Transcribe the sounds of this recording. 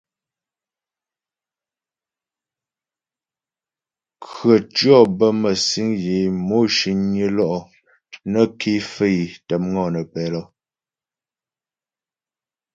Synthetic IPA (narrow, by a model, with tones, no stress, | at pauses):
kʰɰə˨t͡ʃɰɔ˦˨bə˦mə˨si˦ŋje˨˦mo˦ʃi˨˦ŋɲə˦lɔ˦ʔɔ˨ | nə˦kʰi˦fə˦˨i˨tə˨mŋɔ˦˨nə˨pɛ˨˦lɔ˦